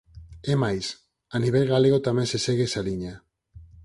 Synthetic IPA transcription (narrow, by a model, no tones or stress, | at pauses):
emajs | aniβajɣaleɣot̪ameseseɣesaliɲa